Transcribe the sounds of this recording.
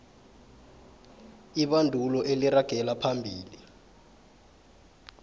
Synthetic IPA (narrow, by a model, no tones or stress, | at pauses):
iɓandʱulɔʔeliraɡ̥ʱɛlapʰambʱiːli